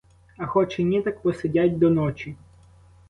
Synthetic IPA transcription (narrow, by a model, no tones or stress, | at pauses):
ɐxɔt͡ʃɪnʲit̪ɐkpɔsedʲatʲd̪ɔnɔt͡ʃi